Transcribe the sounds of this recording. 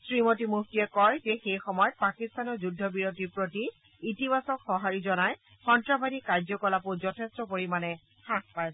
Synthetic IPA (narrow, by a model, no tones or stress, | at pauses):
sɹimot̬imuxtiɛkɔjzexejxɔmɔjɔt̚pakistanɔɹzudʱːɔbiɹotiɹpɹoti | itibasɔkxɔɦaɹizɔnaj | xɔntɹabʱadikːaɹzɔkɔlapʊzɔtʰestɔpoɹimanɛ | xãkpajs